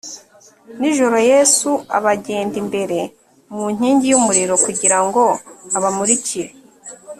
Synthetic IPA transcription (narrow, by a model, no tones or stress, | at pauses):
niʒo̞ɾo̞je̞sua̰βaɟe̞ːndimbe̞ɾe̞ | muɲ̥iːɲɟijumuɾiɾo̞kuɟiɾaŋɡo̞aβamuɾiciɾe